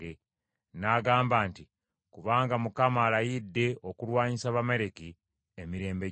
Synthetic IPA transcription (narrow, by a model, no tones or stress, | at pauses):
e | naɡaːmbaːnti | kuβaːŋɡamukamaːlajidːe̞ʔokulwaːɲisaβameɾeki | emiɾe̞ːmbe